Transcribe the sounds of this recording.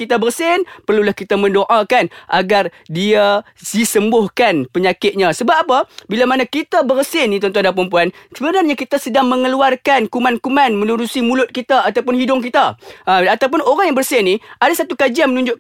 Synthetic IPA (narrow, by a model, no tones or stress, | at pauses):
kit̪abərsɪnpərlulahkit̪amə̃ndoʔakanʔaɡar | dia | sisəmbʊhkanpəɲakɪt̪̚ɲasəbap̚apabilamanakit̪abərsɪnit̪ənt̪uandapəɾəmp̬uansəbənarɲakit̪asədaŋməŋəluarkankumankumanmənuɾusimulʊt̪̚kit̪aat̪awpʊnɦidʊŋk̬it̪aʔəat̪awp̬ʊnoɾaŋjaŋbərsɪniʔadasat̪ukad͡ʒianmənũɲd͡ʒʊʔ